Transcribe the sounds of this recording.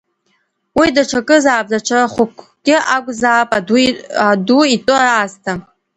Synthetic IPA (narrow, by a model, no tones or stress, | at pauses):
widaʈ͡ʂʰakʼɨzaːp̚ʼzaʈ͡ʂʰaraχʷʊkʷʰɡʲʼɪakʷʼzaːpʼaaduitʼɨraastʰa